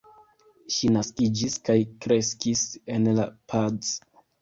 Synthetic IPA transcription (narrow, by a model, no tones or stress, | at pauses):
ʃinaskid͡ʒiskajkɾe̞skise̞nlapʰaz